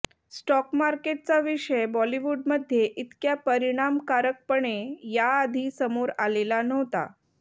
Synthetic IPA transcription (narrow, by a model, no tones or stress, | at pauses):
sʈɔkmaɾkeʈ̚t͡saʋiʂəjbɔliʋuɖməd̪ʱːjeʔit̪kjapəɾiɽ̃amkaɾək̚pəɳejaːd̪ʱiːsəmoɾalelanəɦt̪a̰